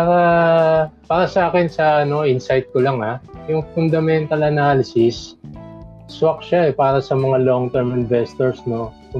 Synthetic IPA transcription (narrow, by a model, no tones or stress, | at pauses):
paːɾɐ | paːɾɐsɐʔaːkɪnsɐʔɐno̞ʔɪnsajt̪̚kolaŋajʊŋfʊnd̪ɐmɛnt̪ɐlɐnaːlɪsɪs | swɐk̚ʃaʔɛpaːɾɐsɐmɐŋaloŋt̪ɛɹmɪnvɛst̪ɛɹsno̞ | ʊ